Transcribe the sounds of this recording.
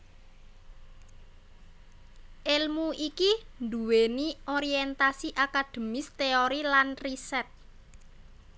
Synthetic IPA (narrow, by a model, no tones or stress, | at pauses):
ʔelmuʔikind̪uwenioɾiɛnt̪asiʔakad̪̥ə̤mɪst̪eoɾilanrisɛt̪̚